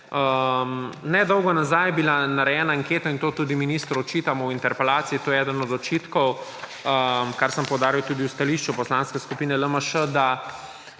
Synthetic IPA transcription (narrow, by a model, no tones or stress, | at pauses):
əmnɛd̪ɔwɡɔnazajɛbilanaɾɛjɛnaːŋkeːt̪aint̪oːt̪uːd̪iminiːst̪ɾuɔt͡ʃiːt̪amɔwint̪ɛɾpɛlaːt̪siit̪oːjɛɛːd̪ənɔd̪zɔt͡ʃiːt̪kɔwəmkaɾsəmpɔwd̪aːɾiwt̪uːd̪iuwst̪aliʃt͡ʃupɔslanskɛskupiːnɛləməʃəd̪a